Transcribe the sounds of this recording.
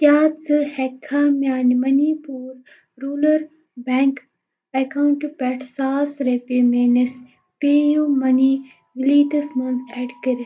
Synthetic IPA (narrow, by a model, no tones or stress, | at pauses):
kjaːt͡sɨhekʰːaːmjaːnmɐnipuːɾː | uːləɾ | bɛ̃ːŋk | ɐkaɳʈpɛːʈʰsaːsɾepemeːnes | peːjũmɐni | ʋiliːʈɐsmɐ̃nzɛːɖkɐɾi